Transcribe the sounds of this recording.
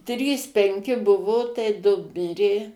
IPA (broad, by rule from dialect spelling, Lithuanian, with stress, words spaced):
ˈtʲrʲiːs pʲɛŋʲˈkʲɪ ˈbʊʋoː tɐɪ ˈdʊ ˈmʲɪrʲeː